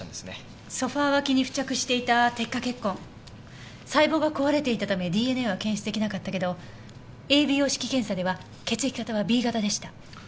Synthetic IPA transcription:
d̪esne | so̞ɸaːβakʲiɲ̟iɸɯ̟̥t͡ɕakɯ̟ɕi̥t̪e̞it̪at̪e̞kːake̞kːõ̞ŋ | saibo̞ːɡakoβaɾe̞t̪e̞it̪at̪ame̞d̪ʲiːe̞neβakẽ̞ɕi̥t͡sɨd̪ekʲinakat̪ːake̞d̪o̞ | e̞ːbʲijo̞ːɕi̥kʲikẽ̞ɰ̃sad̪e̞βa | ke̞t͡sɨikʲi̥kat̪aβabʲiːɡat̪ad̪e̞ɕi̥t̪a

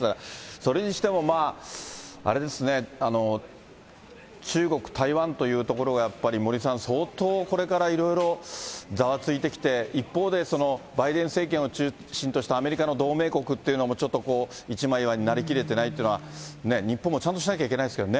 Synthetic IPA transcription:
t̪aɾaso̞ɾe̞ɲ̟iɕi̥t̪e̞mo̞maː | a̰ɾe̞d̪e̞sɨne̞ano̞ | t͡ɕɨːɡo̞kɯ̟̥t̪ʰaiβãnt̪o̞jɯ̟ːt̪o̞ko̞ɾo̞ɡajapːaɾʲimo̞ɾʲisãɰ̃so̞ːt̪o̞ːko̞ɾe̞kaɾaiɾo̞iɾo̞zaβat͡sɨit̪e̞kʲi̥t̪e̞ipːo̞ːd̪e̞so̞no̞baid̪ẽɰ̃se̞ːk̬ẽ̞ɰ̃ot͡ɕɨː | ɕĩnt̪oɕi̥t̪aːme̞ɾʲikano̞d̪o̞ːme̞ːko̞kɯ̟t̪ːe̞iɯ̟no̞mo̞t͡ɕo̞t̪ːo̞ko̞ː | it͡ɕimaiβaɲ̟inaɾʲik̬ʲiɾe̞t̪e̞nait̪eiɯnoane̞ɲ̟ipːõmːo̞t͡ɕãnt̪o̞ɕinakʲaike̞naiesked̪o̞ne

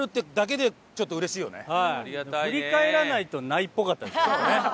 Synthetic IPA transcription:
ɾɯ̟t̪ːed̪ak̬e̞d̪e̞ | t͡ɕo̞t̪ːo̞ɯ̟ɾe̞ɕiːjo̞̰nḛhaɯ̟ɾʲikae̞ɾanait̪o̞naipːo̞kat̪ːad̪esne

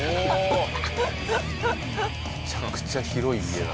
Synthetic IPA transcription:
t͡ɕakɯ̥t͡ɕaçiɾo̞iied̪a

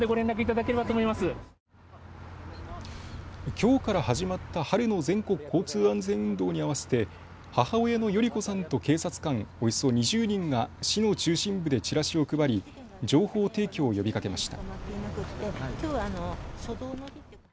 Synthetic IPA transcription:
d̪eɡo̞ɾẽ̞nɾak̬ɯ̟it̪ad̪ake̞ɾe̞bat̪oːmoimasɨ | kʲo̞ːkaɾahaʑimat̪ːahaɾɯ̟no̞zẽ̞ŋko̞kɯ̟̥kʰːo̞ːt͡sɨːãnd͡zẽ̞ɰ̃ɯ̟̃nd̪o̞ːɲ̟iaβase̥t̪e̞ | hahaoeno̞jo̞ɾʲiko̞sãnt̪o̞ke̞ːsat͡sɨ̥kãŋo̞joso̞ɲ̟iʑɨːɲ̟ĩŋɡaɕino̞t͡ɕɨːɕĩmbɯ̟d̪e̞t͡ɕiɾaɕio̞ɯkɯ̟baɾʲi | d͡ʑo̞ːho̞ːt̪e̞ːkʲo̞ːjo̞bʲikake̞maɕi̥t̪a̰mak̪ːnakɯ̟t̪ːekʲoːaːnosod̪oːno

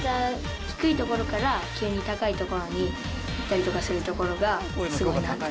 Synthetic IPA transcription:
d̪a | çi̥kɯ̟it̪o̞ko̞ɾo̞kaɾakʲɨːɲ̟it̪akait̪o̞ko̞ɾo̞ɲ̟i | it̪ːaɾʲit̪o̞kasɨɾɯ̟t̪o̞ko̞ɾo̞ɡasɨɡo̞ina

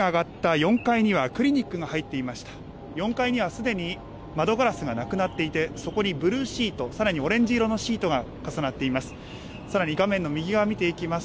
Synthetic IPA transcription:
aːɡat̪ːajõ̞ŋkaiɲ̟iβ̞akɯ̟ɾʲiɲ̟ikːɯ̟ɡahait̪ːe̞imaɕi̥t̪ḁ | jõ̞ŋkaiɲ̟iβasɨd̪e̞ɲ̟i | mad̪o̞ɡaɾasɨɡanakɯ̟nat̪ːe̞it̪e̞so̞ko̞ɲ̟ibɯ̟ɾɯ̟ːɕiːt̪o̞saɾaɲ̟io̞ɾẽ̞ɲ̟d͡ʑiɾo̞no̞ɕiːt̪o̞ɡa | kasanat̪ːe̞imasɨ̥ | saɾaɲ̟iɡamẽ̞nːo̞mʲiɡʲiɡamʲit̪e̞ikʲimas

